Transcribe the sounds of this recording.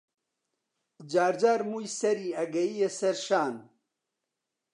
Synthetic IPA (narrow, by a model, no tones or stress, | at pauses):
d͡ʑaːɾd͡ʑaːɾmujsɐɾiɐɡɐijesɐɾɕaːn